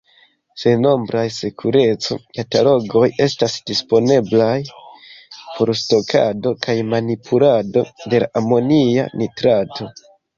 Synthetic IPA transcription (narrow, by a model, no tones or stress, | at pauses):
se̞no̞mbɾajsekʰuɾe̞t͡so̞̰katalo̞ɡo̞je̞stasd̥ispo̞ne̞blaj | pʰo̞ɾsto̞kʰa̰do̞kʰajmanipʰulado̞de̞la̰ʔamo̞nia̰nitɾatʰo̞